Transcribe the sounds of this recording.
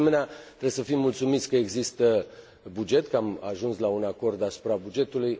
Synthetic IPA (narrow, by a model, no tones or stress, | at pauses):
meneat̪ɾeesəfimːult̪sumit̪sʲkəeɡzist̪ə | bud͡ʒe̞t̪kəama̰ʒunslaunako̞rd̪asu̥pɾabud͡ʒe̞t̪uluj